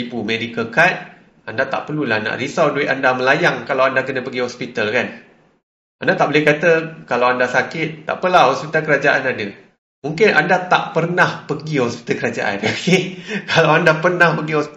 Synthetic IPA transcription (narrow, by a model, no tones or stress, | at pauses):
ipumedikəkat̪̚ | andat̪a̰ʔpərlulahna̰ʔrisawduɪt̪̚andaməlajaŋkalawandakənə̃pəɡiɦɔspit̪alkan | ʔandat̪aʔbolɪhkat̪əkalawandasakɪt̪̚ːa̰ʔpəlahɦɔspit̪alkəɾad͡ʒaʔanadə | muŋkɪnʔa̰ndat̪aʔpərnahpəɡiɦɔspi̥t̪alkəɾad͡ʒa̰ʔa̰nokekalawandapərnahpəɡiɦɔs